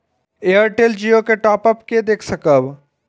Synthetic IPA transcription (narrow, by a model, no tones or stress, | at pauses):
ejəɾʈeld͡ʒijokeʈɔːpəp̚ked̪eːkʰsɐkəb